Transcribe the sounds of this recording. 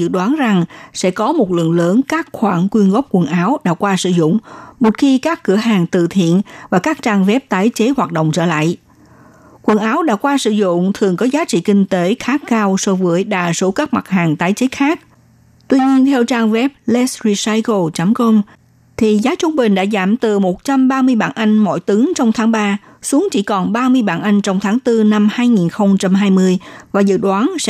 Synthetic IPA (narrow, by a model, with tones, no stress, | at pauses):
zɨ̰˧˨ɗwaː˨˦nza˨˩ŋsɛ̰˧˥kɔ˨˦mo˨˩t̚lɨ̰˧˨nləː˨˦nkaː˦˥k̚xwaː˧˩nkwi˧ənɣə˦˥p̚kwə˨˩nʔaː˨˦wɗa̰ː˧˥kwaː˧sɨ̰˧˨zʊ̰˧˨ŋ͡mmo˨˩t̚xi˧kaː˦˥kːɨ˧˩əɦaː˨˩ŋt̪ɨ̰˧˨t̪ʰḭ˧˨ənvaː˨˩kaː˦˥k̚t͡ɕaː˧ŋvɛ˦˥p̚t̪aː˨˦jt͡ɕe˨˦hwaː˨˩t̚ɗə̰o̰˧˨ŋ͡mt͡ɕəː˧˩la̰ː˧˨j | kwə˨˩nʔaː˨˦wɗa̰ː˧˥kwaː˧sɨ̰˧˨zʊ̰˧˨ŋ͡mt̪ʰɨ˨˩əŋkɔ˨˦zaː˨˦t͡ɕḭ˧˨kï˧ŋ̟t̪e˨˦xaː˨˦˥kkaː˧wso˨˧vəː˨˦əjɗaː˨˩so˧˦kaː˦˥k̚ma˨˩t̚haː˨˩ŋt̪aː˨˦jt͡ɕe˨˦xaː˦˥k̚ | t̪wi˧ɲi˧ənt̪ʰɛ˧wt͡ɕaː˧ŋvɛ˦˥p̚lɛ˦˥sɹi˧sa˧jko˨˩t͡ɕa˨˦mkə˧ŋ͡m | t̪ʰi˨˩zaː˨˦jt͡ɕʊ˧ŋ͡mɓï˨˩ŋ̟ɗa̰ː˧˥zaː˧˩mt̪ɨ˨˩mo˨˩t̚t͡ɕa˧mɓaː˧mɨ˧əjɓa̰ː˧˩nʔa˧jŋ̟mo̰˧˩jt̪ɨ˨˦ŋt͡ɕɔ˧wŋ͡mt̪ʰaː˨˦ŋɓaː˧ | su˨˦əŋt͡ɕi˧˩kɔ˨˩nɓaː˧mɨ˧əjɓa̰ː˧˨nʔa˧jŋ̟t͡ɕɔ˧wŋ͡mt̪ʰaː˨˦ŋt̪ɨ˧na˧mhaː˧jŋi˨˩nxə˧wŋ͡mt͡ɕa˧mɦaː˧jmɨ˧əjvaː˨˩zɨ̰˧˨ɗwaː˨˦nsɛ̰˧˥